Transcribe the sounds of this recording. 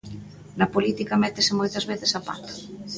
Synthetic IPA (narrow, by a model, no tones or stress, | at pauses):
nɐpolit̪ikɐmɛt̪esɪmojt̪ɐzβeθesapa̰t̪o̥